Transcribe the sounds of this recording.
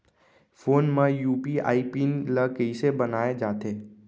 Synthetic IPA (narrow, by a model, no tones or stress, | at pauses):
fʰoːnmãjuːpia̰ːipinləkəɪsebənaːjad͡ʒaːt̪e